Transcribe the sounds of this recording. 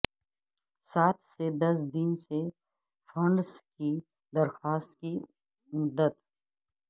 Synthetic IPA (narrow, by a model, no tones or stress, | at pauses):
saːt̪ʰsed̪ɐs̬d̪ɪnse | fɐ̃ɳɖski | d̪ɐɾxaːst̪ki | mʊd̪ət̪